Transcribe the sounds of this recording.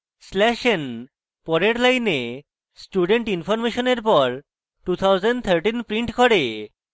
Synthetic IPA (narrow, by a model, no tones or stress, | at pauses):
slɛʃen | pɔɾeɾlajne | sʈuɖeɳʈinfɔɾmeʃoneɾpɔɾ | ʈut̪ʰawd͡ʑeɳɖt̪ʰəɾʈinpɾiɳʈkɔɾe